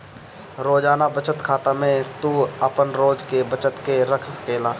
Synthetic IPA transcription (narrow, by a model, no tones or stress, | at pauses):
ɾoːd͡ʒaːnabət͡ʃət̪kʰaːt̪amẽt̪uəpənɾoːd͡ʒkebət͡ʃət̪keɾəkʰkeːlaː